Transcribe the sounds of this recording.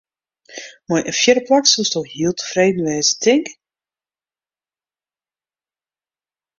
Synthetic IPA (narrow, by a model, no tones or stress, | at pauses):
mɔjʔəfjɪɾəplaksustɔxhiəlˠtə̥freːdn̩ʋɛːzətʰɪŋk